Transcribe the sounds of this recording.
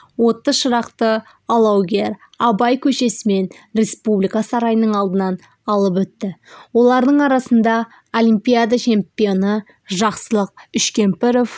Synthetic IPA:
wo̞t̪ːəzʃəɾɑqt̪ə | ɑlˠɑwɡʲeɾ | ɑbɑjkʲʰɵʃe̞sɪme̞n | ɾe̞spublijkasɑɾɑjənəɴɑlˠd̪ənɑn | ɑlˠəp̬wɵt̪ːɪwo̞lˠɑɾd̪əɴɑɾɑsənd̪ɑ | o̞lʲimpijad̪at͡ʃʰe̞mpijo̞nə | ʒɑqsəlˠəq̚ʏʃkʲe̞mpɪɾof

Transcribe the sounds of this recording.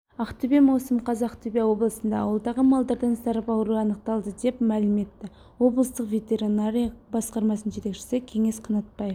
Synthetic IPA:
ɑqt̪ʰʏbemɑwsəmqʰɑzɑqt̪ʰʏbʲewo̞blˠəsənd̪ɑɑwəlˠd̪ɑʁəmɑlˠd̪ɑɾd̪ɑnsɑɾəpɑwɾuɑnəqt̪ɑlˠd̪əd̪e̞pmælɪme̞t̪ːɪ | wo̞blˠəst̪əqvʲe̞t̪e̞ɾinaɾijɑbɑsqɑɾmɑsənʒe̞t̪ekʃɪ̥sɪkʲʰe̞ŋe̞sqʰɑnɑt̪̚pɑj

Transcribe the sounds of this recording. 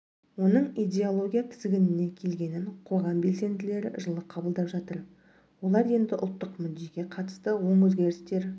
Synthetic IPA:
wo̞nəɴijd̪ʲe̞olˠo̞ɡʲijap̪ʰɪ̥zɡʲɪnɪne̞kʲʰe̞lɡʲe̞nɪnqʰo̞ʁɑmbe̞lse̞nd̪ɪle̞ɾɪʒəlˠəqʰɑbəlˠd̪ɑpʒɑt̪əɾ | wo̞lˠɑɾje̞nd̪ɪʔʊ̰lˠt̪ːəqmʏd̪ːe̞ɡʲe̞qʰɑt̪ə̥st̪əwo̞ɴwɵzɡʲe̞ɾɪst̪e̞ɾ

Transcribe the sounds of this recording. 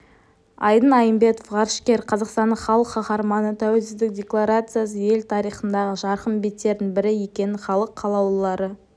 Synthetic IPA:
ɑ̰jd̪ənɑjəmbe̞t̪ofʁɑɾʃkʲe̞ɾqʰɑzɑqst̪ɑnːəχɑlˠəqːɑχɑɾmɑnət̪ʰæwelsɪzd̪ɪk̚dʲe̞klˠaɾat̪sɨjas̬əje̞lt̪ʰɑɾijχənd̪ɑʁəʒɑɾqəmbe̞t̪ːe̞ɾd̪ɪŋbɪɾɪje̞kʲe̞nɪχɑlˠəqʰːɑlˠɑwlˠɑɾə

